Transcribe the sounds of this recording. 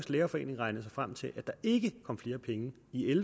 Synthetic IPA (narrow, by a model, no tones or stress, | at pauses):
sleːɐfɒ̽e̝̰ːne̝ŋʁɑ̈ɪnəð̩ˠsɑ̈ɪfʁam̰t͡sʰe̝lʔæd̥ɑ̈e̝ɡ̥əkʰɒ̽mfle̝ːɐpʰeŋə | iel